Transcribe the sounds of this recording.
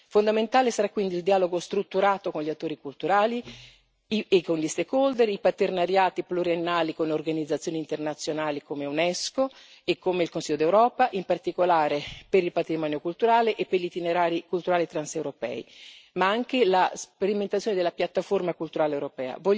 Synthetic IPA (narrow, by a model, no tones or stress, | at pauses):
fond̪ament̪aːlesaɾakːwind̪iːld̪iaːloɡost̪ɾut̪ːuɾaːt̪okonʎiat̪ːoːɾikult̪uɾaːli | ekonʎist̪ekold̪eɾipat̪ernaɾjaːt̪ipluɾjenːaːlikonorɡanid̪zat̪sːjoːniːnt̪ernat̪sːjonaːlikomeunɛsko | ekːomeilkonsiʎːod̪ewɾɔːpaʔimpart̪ikolaːɾepeɾilpat̪ɾimɔːnjokult̪uɾaːleʔepːeʎit̪ineɾaːɾikult̪uɾaːlit̪ɾansewɾopɛ̰ːḭmaaŋk̟elaspeɾiment̪at̪sːjoːned̪elːapjat̪ːaformakult̪uɾaːlewɾopɛ̰ːa̰vɔ